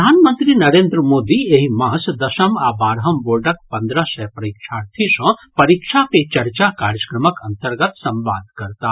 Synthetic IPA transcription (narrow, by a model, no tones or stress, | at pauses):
d̪ʱaːnmənt̪ɾinɐɾeːnd̪ɾəmoːd̪ieɦimaɦsd̪ɐʃɐmaːbaːɾɦɐmboɾɖɐk̚pɐnd̪ɾəsɛpɾɐikʃʰaːɾt̪ʰisɔ̃pɐɾikʃʰapet͡ʃɐɾt͡ʃakaːɾjəkɾɐməkɐnt̪ɐɾɡət̪sɐ̃mʋa̰ːd̪̚ʱkɐɾt̪a